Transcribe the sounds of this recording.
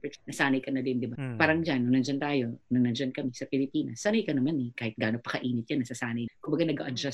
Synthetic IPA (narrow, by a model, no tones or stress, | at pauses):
pɛnɐsaːnɐjkɐnɐd̪ɪnd̪ɪbapaːɾɐŋd͡ʒanːɐnɐnd͡ʒɐnt̪aːjo̞nɐŋnɐnd͡ʒankɐmɛsɐpɪlɪpiːnɐsːaːnɐjkɐnɐmanɛkaːhɪt̪̚ɡaːnopɐkɐʔiːnɪt̪̚janːɐsɐsaːnɐjkʊmbɐɡanɐɡa̰ʔɐd͡ʒas